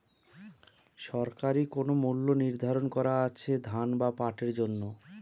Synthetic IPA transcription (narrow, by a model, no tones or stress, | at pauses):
ʃɔɾkaɾikonomulːoniɾd̪ʱaɾonkɔɾaat͡ɕʰed̪ʱanbapaʈeɾd͡ʑonːo